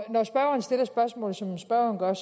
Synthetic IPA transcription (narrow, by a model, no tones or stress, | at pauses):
nɒsb̥ɶɐʊɐnsd̥e̝lɐsb̥ɶɐsmɔ̰̽ːl̩ˠsɒ̽msb̥ɶɐ̰ʊɐnɡ̥ɶɐs